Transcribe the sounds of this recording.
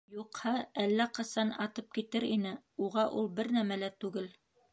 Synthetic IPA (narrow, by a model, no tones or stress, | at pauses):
juqhɑælːæqɤ̆sɑnɑt̪ɤp̚kit̪ɘɾinɘuʁɑʔulˠbɘɾnæmælæt̪ʉɡɘl